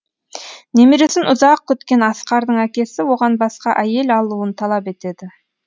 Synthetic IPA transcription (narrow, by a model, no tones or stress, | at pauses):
ne̞meɾe̞sɪnʔʊzɑq̚kːʰɵt̪kʲe̞nɑsqɑɾd̪əɴækʲe̞sɪwo̞ʁɑnbɑsqɑʔæje̞lɑlˠuənt̪ʰɑlˠɑpe̞t̪e̞d̪ɪ